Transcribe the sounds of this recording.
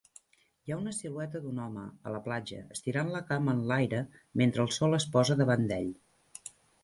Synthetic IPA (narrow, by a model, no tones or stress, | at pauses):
jaunəsilwɛt̪əd̪unɔmə̰ə̰ləplad͡ʒə̰əst̪iɾanləkamənlajɾəment̪ɾəːlˠsɔlˠəspɔzəðəβand̪ɛ̰ʎ